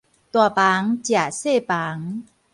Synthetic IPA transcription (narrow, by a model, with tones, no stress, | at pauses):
t̪u˧˩ɐpaː˨˦ŋt͡ɕja˨˧˩seː˥˩paː˨˦ŋ